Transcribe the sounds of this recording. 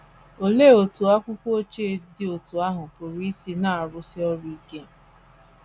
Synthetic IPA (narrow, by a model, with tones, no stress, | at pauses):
o˨le˦˨o˨tu˨a˦kʷʊ˦kʷo˦o˦t͡ʃe˦dɪ˦o˨tu˨a˦ɦʊ˨pʊ˨ɾi˦i˦si˦na˦a˨ɾʊ˦sɪ˦ɔ˦ɾʊ˦i˦ke˦